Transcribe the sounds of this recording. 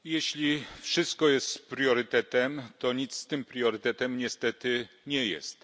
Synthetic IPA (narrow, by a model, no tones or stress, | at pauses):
jɛɕlʲifʂɘst̪̚kɔjɛst̪pɾjɔɾɘt̪ɛt̪ɛmt̪ɔɲit̪st̪ɘmpɾjɔɾɘt̪ɛt̪ɛmɲɛst̪ɛt̪ɘ | ɲɛjɛ̰st̪